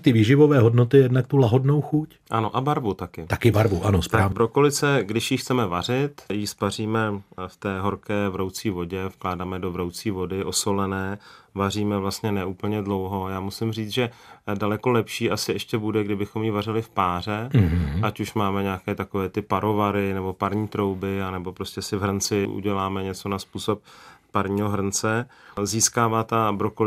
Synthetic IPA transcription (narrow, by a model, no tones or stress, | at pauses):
t̪ɪviːʒɪvovɛːɦodnot̪ɪjɛdnak̚t̪ulaɦodnowxuc | ʔano̞ʔabaɾvut̪akɪt̪akɪbaɾvuʔanostɾaːpɾokolɪt͡sɛɡdɪʃjixt͡sɛmɛvar̝ɪt̪jispar̝iːmɛft̪ɛːɦo̞ɾkɛːvɾowt͡siːvo̞ɟɛfklaːdaːmɛdo̞vɾowt͡siːvo̞dɪʔo̞solɛnɛːvariːmɛvlast̪ɲɛnɛʔuːpl̩ɲɛdlo̞wɦo̞jaːmusɪmriːt͡sʒɛdalɛkolɛpʃiːʔasɪɛʃcɛbudɛɡdɪbɪxo̞mjivarɪlɪfpaːr̝ɛɦʔacuʃmaːmɛɲaːkɛːt̪akovɛːt̪ɪpaɾo̞vaɾɪnɛbo̞paɾɲiːt̪ɾo̞wbɪanɛbo̞pɾoscɛsɪvɦrɾ̩nt͡sɪʔṵɟɛlaːmɛɲɛt͡sonaspuːsop̚ː | aɾɲiːɦoɦr̩ɾ̩nt͡sɛziːskaːvaːt̪abɾoko